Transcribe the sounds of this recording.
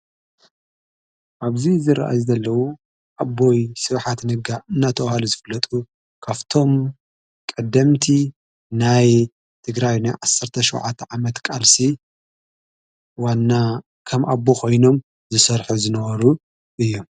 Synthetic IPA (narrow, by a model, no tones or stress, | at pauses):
ʔaβzizɨɾɐʔa̰jzɐlːɐwu | ʔabːo̞jsɨβħat̪nɨɡaʔɨnːat̪ʰɐwhaluzɨflɐt̪ʼu | kʰaft̪ʰo̞m | kʼɐd̪ɐmt̪ʰi | naj | t̪ʰɨɡɾajnajʕasːɐɾt̪ʰɐʃɐwʕa̰t̪ʰːʕamɐt̪kʼalsi | wanːa | kʰɐmʔabokʰo̞jno̞m | zɨsɐɾħuzɨnɐβɐɾu | ʔɨjːo̞m